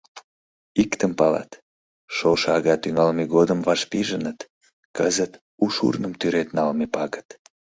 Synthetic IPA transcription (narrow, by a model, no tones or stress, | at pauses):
ikt̪əmpɑlɑ̰t̪ | ʃoʃɑɣɑt̪yŋɑlmeɣod̪əmvɑʃpiʒənət̪ | kəzət̪ | uʃṵrnəmt̪yɾet̪nɑlmepɑɣət̪